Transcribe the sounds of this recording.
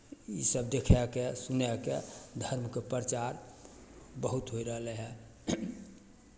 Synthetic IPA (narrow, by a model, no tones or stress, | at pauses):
isəb̚d̪ekʰɛkesunɛked̪ʱəɾmkepɾət͡ʃaɾ | bəɦut̪ɦoiɾəɦlɛɦɛ